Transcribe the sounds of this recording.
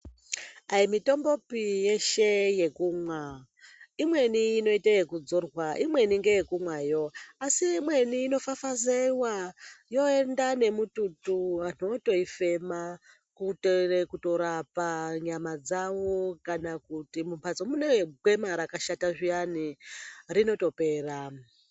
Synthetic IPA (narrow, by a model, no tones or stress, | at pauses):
aimito̞mbo̞pijeʃe̞je̞kumwa | imwe̞niːno̞itaje̞kud͡zorwaʔimwe̞niŋɡejekumwajo̞asiːmwe̞niːno̞fafazewajo̞e̞ndane̞mututuano̞to̞ife̞ma | kuterekuto̞ɾapaɲamad͡zawo̞kanakutimumpʰat͡somune̞ɡwe̞maɾakaʃataʐijanirino̞to̞pe̞ːra